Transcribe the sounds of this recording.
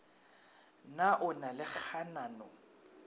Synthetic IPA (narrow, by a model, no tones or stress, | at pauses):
naʔʊnalɪk͡xʰanaːnɔ